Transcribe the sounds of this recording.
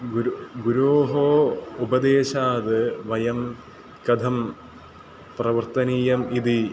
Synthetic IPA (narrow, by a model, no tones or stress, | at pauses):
ɡuɾɡuɾoːɦoːubɐd̪eːɕaːd̪ɨʋɐjɐm | kɐd̪ʱɐm | prɐʋɐrt̪ɐniːjɐmid̪i